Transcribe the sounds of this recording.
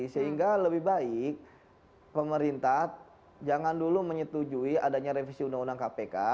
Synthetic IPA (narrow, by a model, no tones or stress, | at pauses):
səɦiŋɡaləbɪhbaɪk̚ | pəməɾint̪a | d͡ʒaŋanduluməɲət̪ud͡ʒuiadaɲaɾefisiundaŋundaŋkapeka